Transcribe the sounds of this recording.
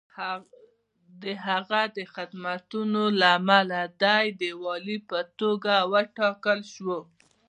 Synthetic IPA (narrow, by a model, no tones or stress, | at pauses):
d̪əɦaɣad̪əxɪd̪mat̪unolaːmalad̪ajd̪əwɑlipət̪oɡawəʈɑkəlʃwo